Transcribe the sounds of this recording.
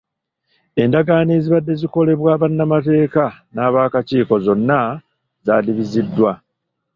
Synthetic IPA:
e̞ndaɡaːneːziβadːe̞ziko̞le̞βwaːβanːamate̞ːkanaːβaːkaciːko̞zo̞nːa | zaːliβizidːwa

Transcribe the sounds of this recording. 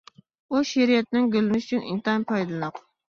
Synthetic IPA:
uʃeɾijɛt̪nɪŋɡʲølɪnɪʃyt͡ʃʰynʔḭnt̪ɑnpʰɑjd̪ɨlˠɨnɑq

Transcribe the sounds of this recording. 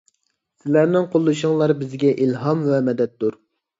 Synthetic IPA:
sɪlæɾnɪŋqʰolˠːuʃʊŋlˠɑɾbɪzɡʲɛʔilɦɑmvɛmɛd̪ɛt̪̚d̪uɾ

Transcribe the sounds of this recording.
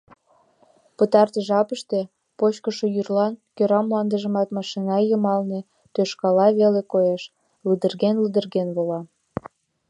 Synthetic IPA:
pət̪ɑrt̪əʒɑpəʃt̪e̽ | pot͡ɕkəʃojyrlɑnkøɾɑmlɑnd̪əʒə̆mɑt̪mɑʃinɑjəmɑlne | t̪øʃkɑlɑβelekoeʃ | ləd̪ərɣenləd̪ərɣenβolɑ

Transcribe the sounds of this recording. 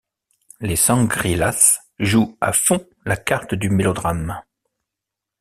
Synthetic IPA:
lesɑ̃ɡʁilas | ʒua̰fɔ̃ | lakaʁt̪d̪ymelɔd̪ʁam

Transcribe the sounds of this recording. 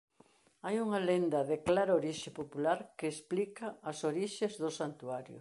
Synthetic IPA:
ajuŋalend̪ɐðeklaɾoɾiʃɪpopulaɾkeːsplikɐːsoɾiʃezðosant̪uaɾjʊ̰

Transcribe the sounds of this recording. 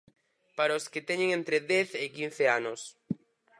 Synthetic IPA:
paɾaosket̪ɛɲeŋẽnt̪ɾeðɛθɪkin̟θeanos

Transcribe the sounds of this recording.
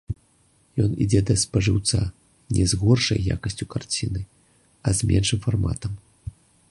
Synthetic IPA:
jɔnḭd͡zʲɛd̪ɐspɐʐɨwt̪sa | nʲɛzɣɔrʂɐ̰jja̰kɐsʲt͡sʲukart͡sʲinɨ | ɐzʲmʲɛ̰nʂɨmfarma̰t̪ɐm

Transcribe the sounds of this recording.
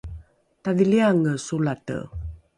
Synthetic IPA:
taðiliaŋəsulatə̰

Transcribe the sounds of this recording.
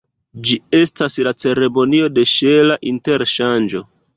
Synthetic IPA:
d͡ʒie̞staslat͡se̞ɾe̞mo̞nio̞de̞ʃelaʔinte̞ɾʃand͡ʒo̞

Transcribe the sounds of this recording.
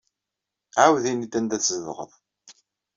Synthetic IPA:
ʕawðinid̪ænd̪æt͡sːzəðʁə̰ðˤ

